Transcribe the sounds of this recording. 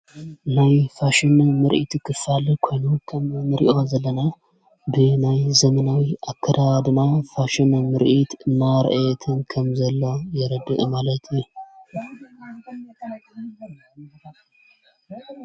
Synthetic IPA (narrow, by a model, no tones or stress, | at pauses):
najfaʃɨnmɨɾʔḭt̪ʰkʰɨfalkʰo̞jnukʰɐmmɨɾḭʔo̞zɐlːɐna | bɨnajzɐmɐnawiʔakʰːɐd̪aβd̪ɨnafaʃɨnmɨɾʔit̪ɨnːaɾ̰ʔat̪ʰɨnkʰɐmzɐlːo̞jɛɾɐd̪ɨʔmalɐt̪ʰju